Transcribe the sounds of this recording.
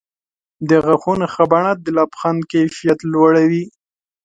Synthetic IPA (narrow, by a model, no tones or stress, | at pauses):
d̪əɣaxunexabaɳat̪̚d̪əlapxankajfijat̪lwaɽawi